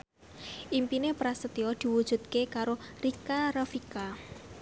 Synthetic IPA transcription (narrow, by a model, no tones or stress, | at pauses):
ʔimpinepɾasət̪iɔd̪̥i̤wud̥ʒ̥ṳd̪̚kekaɾorikaɾafika